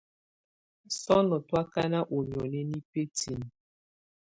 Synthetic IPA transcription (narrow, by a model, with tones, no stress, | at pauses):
sɔ˦nɔ˨twa˦ka˦na˦ʔo˨mjɔ˨nɛ˦ni˦pe˦ti˨n˨